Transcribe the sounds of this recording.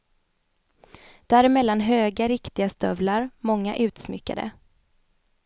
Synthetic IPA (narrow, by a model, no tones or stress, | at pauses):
d̪̥æːɾɪmɛlːanɦøːɡaɾɪkt̪ɪɡast̪œvlaɾmɔŋːa̰ʔʉ̟ːt̪smʏ̰kːa̰d̪ə̰